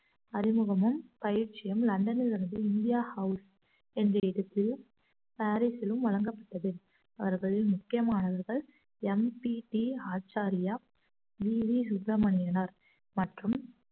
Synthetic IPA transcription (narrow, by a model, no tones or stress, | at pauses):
ɐɾɪmɯɣɐmɯmpɐjɪɾt͡ʃːɪjɐmlɐɳɖɐnɪlɪɾɯnd̪ɯɪnd̪ɪjaːhɐʊs | ɛndrɐɪɽɯt̪ːɪl | paːɾisɪlɯmʋɐɭɐŋɡɐpːɐʈːɐðɯ | ɐʋɐɾɣɐɭɪlmʊkːɪjɐmaːnɐʋɐɾɣɐɭ | ɛmpiʈiaːt͡ʃaːɾɪjaː | ʋiːʋisʊbɾɐmɐɳɪjɐnɐɾ | mɐʈrɯm